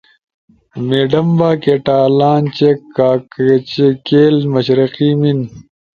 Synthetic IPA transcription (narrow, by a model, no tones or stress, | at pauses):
meːɖɐmbaːkeːʈaːlaːnt͡ɕekaːkt͡ɕekeːlmɐɕɾɐqimin